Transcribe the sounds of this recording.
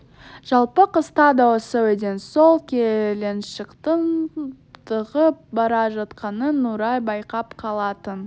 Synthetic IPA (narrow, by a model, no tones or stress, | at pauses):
ʒ̥ɑlˠpəqəst̪ɑd̪awosəwed̪e̞nsolˠkʲʰele̞nʃəqt̪ən | t̪ʰəʁəp̚bɑɾɑʒɑt̪qɑnənːuɾɑjbɑjqɑpqʰɑlˠɑt̪ən